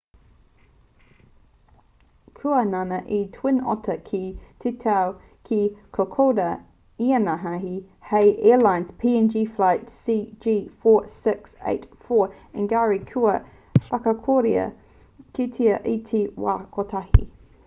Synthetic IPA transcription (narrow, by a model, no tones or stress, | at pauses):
kʰuənanəʔitʰw̥ɪnɔ̰tʰəkʰitʰitʰaʊ | kʰikʰokʰodə | iənaɦaɦi | hɛɪʔɛːlãɪ̃nz̥pʰiːɛnd͡ʒiːflaɪtsiːd͡ʒiːfɔːsɪksḛɪtfɔː | ɪ̃nɡaɹikʰuə | fakəkʰɔɾiə̰ | tʰitʰiəʔitʰiwa̰kʰɔtʰahḭ